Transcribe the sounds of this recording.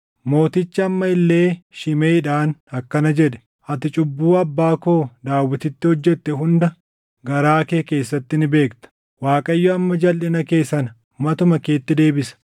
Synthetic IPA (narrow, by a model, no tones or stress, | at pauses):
mo̞ːt̪ɪt͡ʃːɐːmːɐɪlːe̞ːʃɪmeːᶑaːnɐkːɐnɐd͡ʒɛᶑɛ̥ | ʔɐt̪ɪt͡ʃʼʊbːuːɐbːaːko̞ːd̪aːwːɪt̪ɪt̪ːɪhɔd͡ʒːɛt̪ːɛɦʊnd̪ɐ | ɡɐɾaːke̞ːke̞ːsːɐt̪ːɪnɪbe̞ːkt̪ɐ̥ | waːkʼɐjːoɐmːɐd͡ʒɐlʔɪnɐke̞ːsɐnɐ | mɐt̪ʊmɐke̞ːt̪ːɪd̪e̞ːbɪsɐ̥